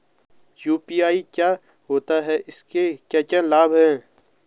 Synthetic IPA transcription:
juːpiːaːikjaː | ɦoːt̪aɦɛːʔɪskekaːkãlaːbɦɛ̃ː

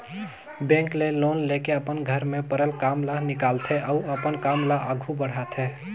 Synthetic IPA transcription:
bẽŋklelonlekeəpənɡʱəɾmepəɾəlkamlanikalt̪ʰɛʔauəpənkamlaʔəɡʱubəɽ̤at̪ʰɛ

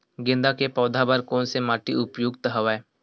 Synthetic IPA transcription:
ɡẽːnd̪akepɔːd̪ʱabaɾkɔːnsemaːʈiʊpjoːɡt̪əɦəʋae

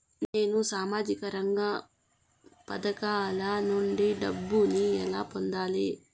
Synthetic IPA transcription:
ne̞ːnusaːmaːd͡ʒikɐɾɐŋɡɐ | pɐd̪ɐkaːlɐnuɳɖiɖɐbːuniɛlaːpond̪aːli

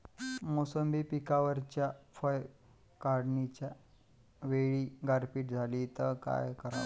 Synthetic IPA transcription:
mosəmbiːpikaʋəɾt͡ɕjafəj | kaɾɽnit͡ɕja | ʋeɭiːɡaɾpiːʈd͡zʱaliːt̪əka̰jkəɾa̰

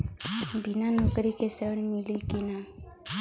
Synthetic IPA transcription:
bʱinanokɾikesɾəɽ̃milikina

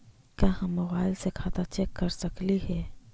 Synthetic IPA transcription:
kaːɦãmɐbaːɪlsekʰaːt̪at͡ʃɛkːɐɾsɐkliɦɛː

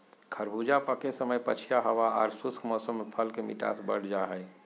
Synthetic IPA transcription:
kʰəɾbʱud͡ʒapəkesəməjpət͡ʃʰijaɦəʋaaɾsuskʰmɔsəmːepʰəlkemḭʈa̰sbə̰ɽ̤d͡ʒaɦəj

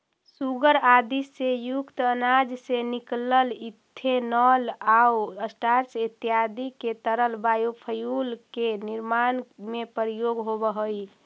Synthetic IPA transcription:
suɡəɾad̪isːejukt̪ənad͡ʒsenikləlit̪ʰːenɔlauəsʈaɾsit̪ijad̪iket̪əɾəlbajopʰəjulkeniɾmanmepəɾijoɡɦobəɦoj

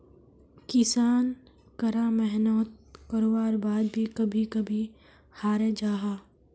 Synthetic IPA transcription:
kɪsaːn | kɐɾamɛɦnɔːt̪̚kɐɾoːʋaːɾbaːd̪̚bʱikɐbʱikɐbʱi | haːɾed͡ʒaːɦaː

